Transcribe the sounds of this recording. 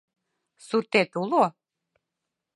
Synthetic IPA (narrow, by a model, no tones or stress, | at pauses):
suɾt̪et̪ulˠo